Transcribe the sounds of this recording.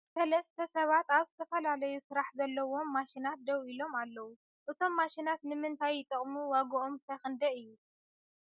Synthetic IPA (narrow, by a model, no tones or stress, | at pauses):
sɐlɐst̪ʰɐsɐβat̪aβzɨt̪ʰɐfɐlalɐjusɨɾaħzɐlːɐwo̞mːaʃinat̪̚d̪ɐwilo̞malːɐwu | ʔɨt̪ʰo̞mːaʃinat̪nɨmɨnt̪ʰajːɪt̪ʼɨχʼmuwaɡɐʔomt̪ʰajxɨnd̪ɐɨjːu